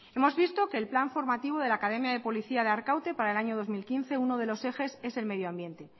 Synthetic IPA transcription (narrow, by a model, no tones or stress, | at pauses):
e̞mo̞zβ̞ist̪o̞ke̞ːlplaɱfo̞ɾmat̪iβo̞ð̞e̞laːkað̞e̞mjaðe̞po̞liθiaðeaɾkawt̪e̞paɾae̞laɲo̞ðo̞zmilkinθe̞uno̞ð̞e̞lo̞se̞xe̞se̞se̞lme̞ð̞joambje̞nt̪e̞